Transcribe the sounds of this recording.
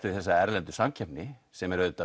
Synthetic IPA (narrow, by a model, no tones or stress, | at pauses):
ɪðθɛsːaɛɾlɛnt̪ʏ̥samcʰɛpnɪsɛmɛɾœt̪a